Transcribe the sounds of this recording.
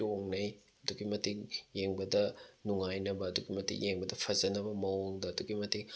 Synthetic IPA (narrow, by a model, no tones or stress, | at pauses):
oŋnɐj | ɐduɡimɐtiŋjeŋbɐdɐnuŋajnɐbɐːduɡimɐtḭŋjeŋbɐdɐpʰɐzɐnɐbɐmɐoŋdɐːduɡimɐtiŋ